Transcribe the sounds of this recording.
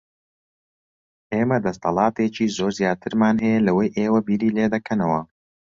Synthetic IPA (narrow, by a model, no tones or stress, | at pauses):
ʔeːmɐd̪ɐst̪ʰɐlˠɑːt̪eːt͡ʃiːzoːɾzjaːt̪ʰɨɾmaːnɦɛjɛlɐwɐjʔeːwɐbiːɾiːleːd̪ɐkʰɐnɐwɐ